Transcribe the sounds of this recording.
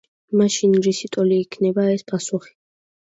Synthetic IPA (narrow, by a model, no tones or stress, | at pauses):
maʃinɾisit̪ʼɔliːkʰnɛbaɛspʼasuχi̥